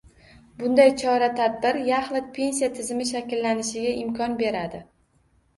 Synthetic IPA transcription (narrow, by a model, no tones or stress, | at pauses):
bʊnd̪ajt͡ʃʰɒɾat̪ʰad̪̚bɪɾjaχlˠɪpʰe̞nsijat̪ʰɪzɪmɪʃ̬akʲɪlːanɪʃɪɡʲaʔɪmkʰɒnbe̞ɾad̪ɪ